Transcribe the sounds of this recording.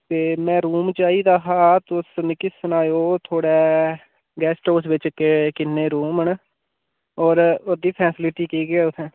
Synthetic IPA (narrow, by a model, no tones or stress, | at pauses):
t̪eːmɛ̃ːɾuːmt͡ʃaːiːd̪aːɦaːt̪osnkɪsənaːjoːt̪ʰoːɽɛː | ɡɛːsʈoːs̬ʋɪt͡ʃkekɪnːeːɾuːməɳ | ɔːɾod̪iːpʰɛːsɪlɪʈiːkiːɡɪaːʊt̪ʰɛ̃ː